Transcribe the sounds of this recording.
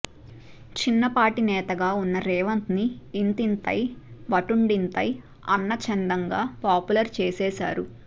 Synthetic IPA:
t͡ʃinːɐpaːʈinɛːt̪ɐɡaːunːɐɾɛːʋɐnt̪niːnt̪int̪ɐ̰jʋɐʈuɳɖint̪ɐ̰j | ɐ̰nːɐt͡ʃɛnd̪ɐŋɡaːpaːpulɐɾt͡ʃɛːsɛːsa̰ːɾu

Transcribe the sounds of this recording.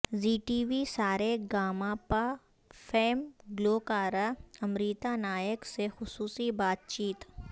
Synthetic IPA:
ziːʈiːʋisaːɾeɡaːmapa | fʰeːmɡloːkaːɾaɐmɾiːt̪anaːjəksexʊsuːsibaːt̪̚t͡ʃiːt̪

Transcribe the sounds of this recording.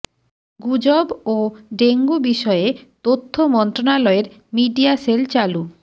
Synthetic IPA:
ɡud͡ʑoboɖeŋɡubiʃɔet̪ot̪ʰːomɔnt̪ɾonalɔeɾ | miɖiaselt͡ɕalu

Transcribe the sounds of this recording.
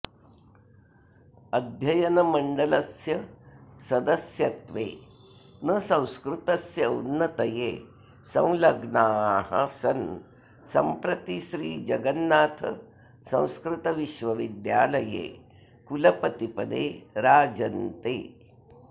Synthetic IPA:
ɐd̪ʱjɐjɐnɐmɐɳɖɐlɐsjɐsɐd̪ɐsjɐt̪ʋḛː | nɐsɐ̃w̃skɾut̪ɐsjɐunːɐt̪ɐjeː | sɐ̰̃w̃lɐɡnaːɦɐ̰sɐn | sɐ̰mpɾɐt̪iʃɾiːd͡ʒɐɡɐnːaːt̪ʰɐ | sɐ̰̃w̃skɾut̪ɐʋiʃʋɐʋid̪ja̰ːlɐjḛː | kulɐpɐt̪ipɐd̪ḛːɾaːd͡ʒɐnt̪ḛː

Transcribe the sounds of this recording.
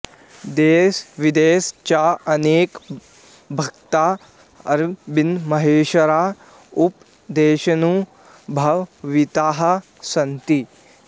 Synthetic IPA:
d̪eːsʋid̪eːst͡ʃaːɐneːk | bʱɐkt̪aː | ɐɾbinmɐɦeːʃɐɾaː | up | d̪eːʃɐnu | bʱɐʋʋit̪aːɦɐ | sɐnt̪i

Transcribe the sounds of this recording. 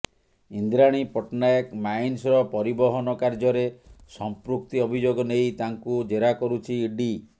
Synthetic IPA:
ind̪ɾaɽ̃ipɔʈnajekmajnsɔɾɔpɔɾibɔɦɔnɔkaɾd͡ʒɔɾesɔmpɾukt̪iɔbʱid͡ʒoɡɔnejt̪aŋkud͡ʒeɾakɔɾut͡ʃʰiɖi

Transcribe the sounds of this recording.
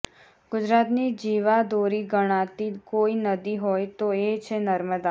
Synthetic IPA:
ɡ̥ʊd͡ʒɾat̪nid͡ʒiʋad̪oɾiɡəɽ̃at̪ikoinəd̪iɦojt̪oet͡ʃʰenəɾməd̪a

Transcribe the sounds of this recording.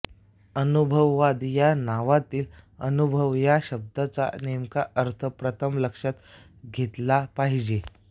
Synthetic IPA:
ənubʱəʋːad̪janaʋat̪iːlənubʱəʋjaɕəb̚d̪at͡sa̰nemkaʔəɾt̪ʰəpɾət̪ʰəmləkʂat̪ | ɡʱet̪lapaɦid͡ʑe

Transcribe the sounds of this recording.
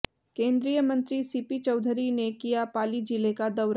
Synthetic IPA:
kẽːnd̪ɾijəmɐ̃nt̪ɾisipit͡ʃɐʊd̪ʱɾinekijapaːlid͡ʒɪlekad̪ɐʊɾ

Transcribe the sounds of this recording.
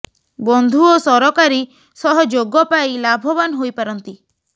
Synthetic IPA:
bɔnd̪ʱuosɔɾɔkaɾi | sɔɦɔd͡ʒoɡɔpajlabʱɔbanɔɦojpaɾɔnt̪i

